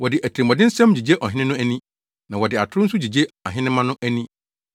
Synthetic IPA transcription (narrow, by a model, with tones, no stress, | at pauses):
wɔ˨dɪ˨ʔæ˨tʰɾi˨ɔ˨dɪ̃˦n̩˦sɛ̃˦md͡ʑi˨d͡ʑe˦ʔɔ˨ɦɪ̃˦nɪ̃˦nʊ̃˦æ˦nĩ˦ | nã˨wɔ˨dɪ˨a˨tʰɾʊ˦sʊ˦d͡ʑi˨d͡ʑe˦a̰˨ɦɪ̃˦nɪ̃˦mã˦nʊ̃˦ʔæ˦nĩ˦